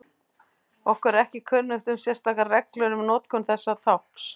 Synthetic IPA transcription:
ɔhkvɛɾɛhcɪkʰœnːʏht̪ʏmsjɛr̥st̪aːkarɛklœɾʏmnɔːt̪kʰɔnθɛsːat̪ʰawhks

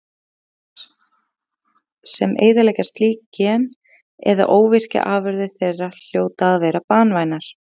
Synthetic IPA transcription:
sɛmʔḛːjðalɛːjcast̪liːcɛn | ɛ̰ɾða̰ʔoːwvɪr̥cɪ̰ʔaːvʏɾðɪ̥θejrːal̥joːwt̪aːðvɛːɾapaːnvaːjnaɾ̥

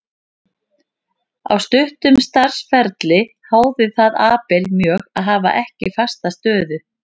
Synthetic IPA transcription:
a̰wst̪ʏht̪ʏmst̪aɾ̥sfɛɾt̪lɪ | haːwðɪθaðaːpɛlmjœːɣaðɦaːva̰ʔɛhcɪɪfast̪ast̪œːðʏ

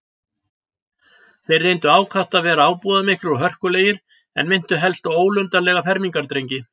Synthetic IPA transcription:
θejrːejnt̪ʏaːwkʰaht̪avɛːɾaaːwpuːðamɪhkɾʏɾɔɦœr̥kʏleːjɪɾ̥ | ɛ̰nmɪn̥t̪ʏɦɛlst̪oːwlʏnt̪alɛːɣafɛɾmiŋkaɾt̪ɾejɲcɪ

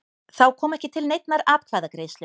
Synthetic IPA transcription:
θawkʰɔːmɛhcɪt̪ʰɪlnejt̪̚naɾaːpkʰvaːjðakɾeːjslɪ

